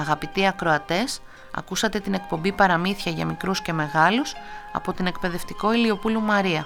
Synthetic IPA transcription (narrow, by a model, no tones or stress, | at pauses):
ɐɣɐpit̪iɐkɾo̞ɐt̪e̞s | ɐ̰kusɐt̪e̞t̪ine̞k̚po̞mbipɐɾɐmiθçɐʝɐmikɾusce̞me̞ɣɐlusɐ̰po̞t̪ine̞kpe̞ðe̞ft̪i̥ko̞ilio̞pulumɐɾiɐ